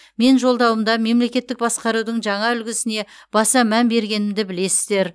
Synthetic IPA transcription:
me̞nʒo̞lˠd̪ɑwəmd̪ɑme̞mle̞kʲe̞t̪ːɪk̚bɑsqɑɾud̪əɴʒɑɴɑʏlɡʲɪsɪne̞ | b̥ɑsɑmænbe̞ɾɡʲe̞nɪmd̪ɪbɪle̞sɪzd̪e̞ɾ

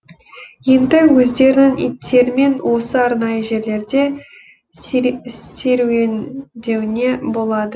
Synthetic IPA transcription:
je̞nd̪ɪwɵzd̪e̞ɾɪnɪŋḭt̪ʰːe̞ɾɪme̞nwʔo̞səɑɾnɑjəʒe̞ɾle̞ɾd̪e̞ | se̞ɾuwend̪e̞wɪne̞bo̞lˠɑd̪ə

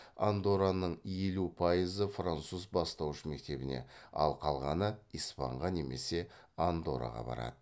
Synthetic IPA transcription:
and̪o̞ɾanəɴjelupʰɑjəzəfrant̪suzbɑst̪ɑwʃəme̞k̚t̪e̞bɪne̞̰ɑ̰lˠqʰɑlˠʁɑnəijspɑ̰ɴʁɑne̞me̞se̞and̪o̞ɾa̰ʁɑ̰bɑ̰ɾɑ̰d̪ə

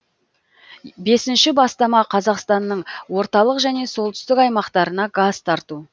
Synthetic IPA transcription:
be̞sɪnʃɪbɑst̪ɑmɑqʰɑzɑqst̪ɑnːəɴwo̞ɾt̪ɑlˠəqʒæne̞so̞lˠt̪ʏ̥st̪ɪkɑjmɑqt̪ɑɾənɑɡaz̥t̪ʰɑɾt̪u

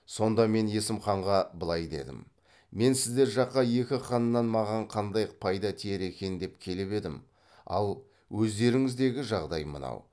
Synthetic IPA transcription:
so̞nd̪ɑme̞ne̞sɪmχɑɴʁɑbəlˠɑjd̪e̞̰d̪ɪ̰m | me̞nsɪzd̪e̞ɾʒɑqːɑje̞kʲɪχɑnnːɑnmɑʁɑɴqʰɑnd̪ɑjpʰɑjd̪ɑt̪ʰieɾe̞kʲe̞nd̪e̞p̚kʲʰe̞lɪpe̞d̪ɪm | ɑ̰lˠ | wɵzd̪e̞ɾɪŋɪzd̪e̞ɡʲɪʒɑʁd̪ɑjmə̰nɑ̰w

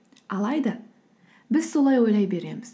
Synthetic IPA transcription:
ɑlˠɑjd̪ɑ | bɪzso̞lˠɑjwo̞jlɑjbe̞ɾe̞mɪz̥

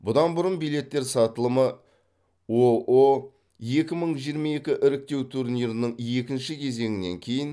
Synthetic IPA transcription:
bʊd̪ɑnbʊɾənbijle̞t̪ːe̞ɾsɑt̪əlˠəmə | oʔo | je̞kʲɪməɴʒijəɾmɑje̞kʲɪʔɪɾɪk̚t̪e̞wt̪ʰuɾnijɾənəɴe̞kʲɪnʃɪkʲʰe̞ze̞ŋʲɪne̞̰ŋkʲʰe̞jɪn

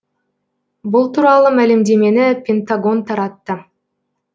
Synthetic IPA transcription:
bulˠt̪uːɾɑlˠumælimd̪emenipʲent̪aɡo̞nt̪ʰɑɾɑt̪ːɯ

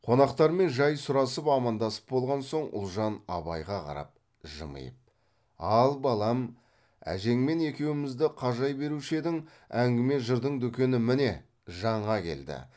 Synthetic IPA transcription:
qʰo̞nɑqt̪ɑɾme̞nʒɑjsʊɾɑsəpɑmɑnd̪ɑsə̥p̚bo̞lˠʁɑnso̞ɴʊ̰lˠʒɑnɑ̰βɑjʁɑqʰɑ̰ɾɑ̰p̚ | ʒə̰mə̰jəp̚ | ɑlˠbɑlˠɑm | æ̰ʒe̞ŋme̞ne̞kʲe̞wɪmɪzd̪ɪqʰɑʒɑjbe̞ɾuʃed̪ɪŋ | æŋɡʲɪme̞ʒəɾd̪əɴd̪ɵkʲe̞nɪmɪne̞ | ʒɑɴʁɑkʲʰe̞̰ld̪ɪ̰

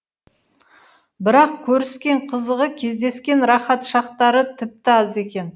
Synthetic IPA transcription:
bɪɾɑq̚kʲʰɵɾɪskʲe̞ɴqʰəzəʁəkʲʰe̞zd̪e̞skʲe̞nɾɑχɑt̪ʃɑqt̪ɑɾət̪ʰɪp̚t̪ɪɑze̞kʲe̞n

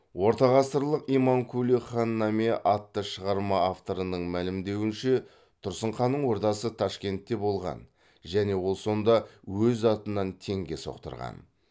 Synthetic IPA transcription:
wo̞ɾt̪ɑʁɑst̪əɾlˠəqijmɑŋkʲʰuliχɑnːɑme̞ʔɑt̪ːəʃəʁɑɾmɑːft̪o̞ɾənəɴmælɪmd̪e̞wɪnʃe̞ | t̪ʰʊɾsəɴχɑnəɴwo̞ɾt̪ɑsət̪ʰɑʃkʲe̞nt̪ːe̞bo̞lˠʁɑ̰n | ʒæne̞wo̞lˠso̞nd̪ɑwɵzɑt̪ənɑnt̪ʰe̞ŋɡʲe̞so̞̰qt̪ə̰ɾʁɑ̰n

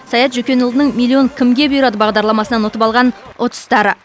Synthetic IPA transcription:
sɑjɑt̪ʒʏkʲe̞nʊlˠd̪ənəɴmʲilʲˠːio̞ŋkʲʰɪmɡʲe̞bʊjəɾɑd̪əbɑʁd̪ɑɾlˠɑmɑsənɑnwo̞t̪əpɑlˠʁɑnwʔot̪ə̥st̪ɑɾə

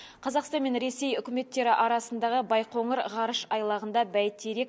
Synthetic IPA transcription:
qʰɑzɑqst̪ɑnme̞nɾe̞se̞jʏkʲɪme̞t̪ːe̞ɾɪʔɑɾɑsənd̪ɑʁəbɑjqʰo̞ɴəɾʁɑɾəʃɑjlˠɑʁənd̪ɑbæjt̪ːeɾe̞k̚

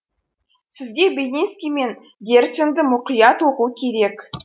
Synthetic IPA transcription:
sɪzɡʲe̞bʲenʲeskʲijme̞n | ɡʲe̞rt̪sʲɪnd̪ɪmʊqəjɑt̪oqukʲʰe̞ɾe̞k

